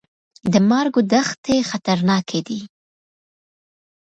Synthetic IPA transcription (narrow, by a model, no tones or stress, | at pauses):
d̪əmɑɾɡod̪axt̪exat̪aɾnɑkʰed̪i